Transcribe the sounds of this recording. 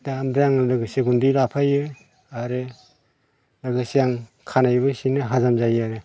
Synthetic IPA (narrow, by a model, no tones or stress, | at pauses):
daamdɾaŋɯlaɡɯsiɡundilapʰajɯ | aɾɯ | laɡɯsijaŋ | kʰanajbɯsinɯɦazamzajaɾɯ